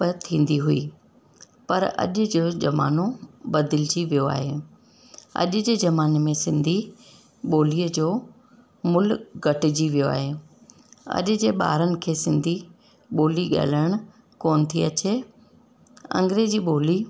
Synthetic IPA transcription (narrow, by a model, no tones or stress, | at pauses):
pt̪ʰĩːn̆d̪iɦui | pɐɾɐ̰ʄʊ̆d͡ʑoːd͡ʑɐma̰ːnobɐd̪ɪlɪd͡ʑiʋijoa̰ːɦeː | ɐ̰ʄʊ̆d͡ʑeːzɐmaːnmẽsɪ̃nd̪ʱi | ɓoːliːəd͡ʑoː | mʊlɡʱɐʈɪ̆d͡ʑiʋijoa̰ːɦe | ɐ̰ʄʊ̆d͡ʑeːɓa̰ːɾənɪ̆kʰeːsɪ̃nd̪ʱi | ɓoːliɠa̰ːɦləɽ̃ʊ̆ | koːnt̪ʰiɐt͡ɕe | ɐ̰̃ŋɡɾed͡ʑiːɓoːli